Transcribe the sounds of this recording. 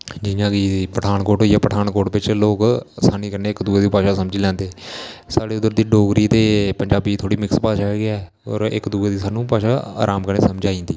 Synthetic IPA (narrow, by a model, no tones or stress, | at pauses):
d͡ʒɪjãːkɪpəʈʰaːnkoːʈɦoːiːjaːpəʈʰaːnkoːʈʋɪt͡ʃloːksaːniːkəɾneːɪkd̪uːeːd̪iːpaːʃaːsəmd͡ʒiːlɛ̃ːnd̪eːsaːɽeːʊd̪əɾd̪iːɖoːɡɾiːt̪eːpəɲd͡ʒaːbiːt̪ʰoːɽiːmɪkspaːʃaːɦeːɡɪɛː | ɔ̰ːɾɪ̰kd̪uːeːd̪iːsaːnũːpaːʃaːa̰ːɾʔaːmkəɾneːsəmd͡ʒaːĩːnd̪iː